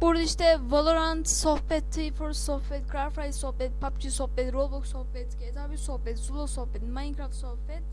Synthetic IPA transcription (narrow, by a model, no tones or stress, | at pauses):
b̥uɾd̪aiʃt̪ɛvalˠoɾant̪sohpɛt̪ʰːijfɔɾsohpɛt̪kʰɾaɾfɾajsohpɛt̪̚pʰap̚t͡ʃʰisohpɛt̪ɾoboksohpɛt̪ɡʲet̪ʰabisohpɛt̪zulˠosohpɛt̪majiŋkʰɾaft̪sohpɛt̪